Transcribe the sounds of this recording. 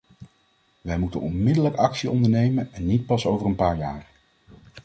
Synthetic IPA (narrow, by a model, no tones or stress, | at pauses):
ʋɛjmutənɔnmɪdələkɑksiɔndəɹnejmənɛnːit̚pɑsowvərənpaːɹjaːɹ